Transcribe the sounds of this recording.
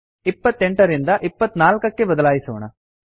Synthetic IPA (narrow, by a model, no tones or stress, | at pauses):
ipːɐt̪ːeɳʈɐɾind̪ɐʔipːɐt̪ːnaːlkɐkːe̞bɐd̪ɐlaːjisuʋːɳɐ̰